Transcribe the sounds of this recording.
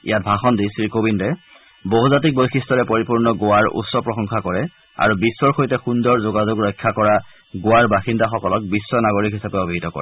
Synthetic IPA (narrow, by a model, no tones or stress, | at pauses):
ḭjat̚bʱaxɔndisiɹkobindɛ | boɦuzat̬ik̚bojxʰistɔɹɛpoɹipuɹnɔɡowaɹṵtsɔpɹɔxɔŋxakɔɹɛ | a̰ɹubisːɔɹxojtɛxundɔɹzoɡazʊɡɹɔjkʰːakɔɹa | ɡowaɹbaxindaxɔkɔlɔk̚bisːɔnaɡoɹikɦisapɛobʱiɦitɔkɔ̰ɹɛ